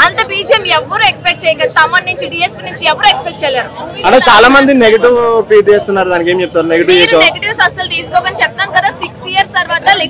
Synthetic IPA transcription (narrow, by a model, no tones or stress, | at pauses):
ɐnt̪ɐbiːd͡ʒemiɛʋːɐɾuekspek̚ʈ̚t͡ʃɛːjɐkɐnsɐmːɐnːiɲt͡ʃiɖiːespiːnuɲt͡ʃiɛʋːɐɾuekspekʈt͡ʃɛːjaːɾuɐʈet͡ʃaːlaːmɐnd̪ineɡɐʈiʋpiːʈeːst̪unːaːɾud̪aːnikeːmt͡ʃɛp̚t̪aːɾuneɡɐʈiʋt͡ʃeːsoneɡʈiʋsɐsɐlt̪iːsu̥kɔːɡɐnt͡ʃɛp̚t̪aːnkɐd̪aːsiksijɐɾst̪ɐɾʋaːt̪ɐli